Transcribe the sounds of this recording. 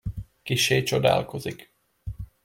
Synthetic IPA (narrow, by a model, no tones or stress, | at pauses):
kiʃeːt͡ʃod̪a̰ːlko̞zik